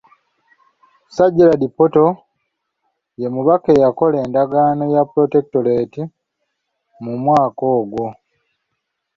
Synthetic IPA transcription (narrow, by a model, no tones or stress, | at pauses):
saɟiladipːoto̞ | je̞muβake̞jako̞leːndaɡaːno̞japɾote̞k̚tole̞ːti | mumwaːko̞ːɡwo̞